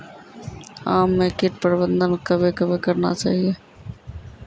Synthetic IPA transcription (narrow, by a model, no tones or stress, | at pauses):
aːmːẽkɪʈpəɾɪbə̃nd̪ənkəbʱekəbʱikəɾna̰t͡ʃa̰ːɦieː